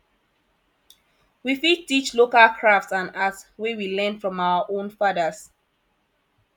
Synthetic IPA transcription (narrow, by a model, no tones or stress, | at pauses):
wifid̚tit͡ʃlokalkʰɹaftsãnatswewilɛ̃nfɹɔ̃mawəʔõnfaðəs